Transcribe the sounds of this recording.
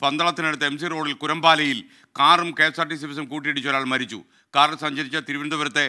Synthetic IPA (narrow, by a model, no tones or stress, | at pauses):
pɐnd̪ɐɭɐt̪ːinɐɽɐt̪ːɐems̬iroːɽilkʊɾɐmbaːlɐjil | kaːrɐmkeːsarʈːis̬iʋɐs̬ɐmkuːʈ̬ːijeɽit͡ɕːoɾaːɭmɐɾit͡ɕːṵ | kaːɾɐɭsɐɲd͡ʑɐɾit͡ɕːɐt̪iɾuʋɐnd̪ɐʋɐɾɐt̪ːe